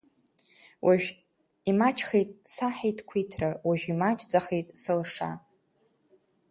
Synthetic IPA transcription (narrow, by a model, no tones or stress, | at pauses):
wʔaʒᶣ | imat͡ʃʰʼχejtʼsaħejtʰʼkʷʰitʰrawaʒᶣʷimat͡ʃʼd͡zaχejtʼsɨlʂa̰